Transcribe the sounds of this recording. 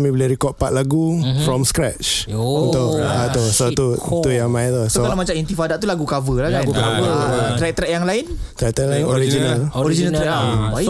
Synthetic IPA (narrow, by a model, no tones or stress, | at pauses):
mibileɾikɔt̚paʔ̪̚laɡufɾɔmskɾɛt͡ʃt̪oat̪usot̪ut̪ujaŋmãjt̪usokalamat͡ʃamint̪ifadaʔt̪ulaɡukavəlakaaɡukavət̪ɾɛk̚t̪ɾɛʔjaŋlaɪnt̪ɾɛk̚t̪ɛlaɪnoɾid͡ʒinalɔɾid͡ʒinat̪ɾɛ